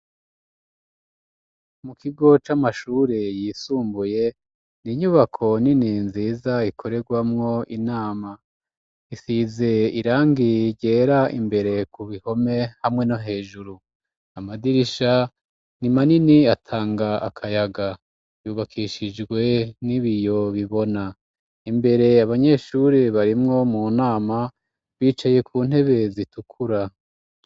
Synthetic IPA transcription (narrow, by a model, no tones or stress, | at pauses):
mukʰiɡo̞t͡ʃamaʃuːɾejisuːmbuje̞ | niɲuβakʰo̞nininziːzaikʰo̞ɾe̞ɡwamŋo̞ʔinaːma | isize̞iɾaːŋɡiɟe̞ːɾaḭmbe̞ɾe̞kuβiho̞me̞hamŋe̞noɦe̞ːʒuɾu | amadiɾiʃa | nimaniniatʰaːŋɡaakʰajaɡa | juːβakʰiʃid͡ʒɡwe̞niβijo̞βiβo̞na | imbe̞ɾe̞aβaɲe̞ːʃuɾiβaɾimŋo̞munaːma | βiːt͡ʃaje̞kʰuːn̥he̞βe̞zitukʰuɾa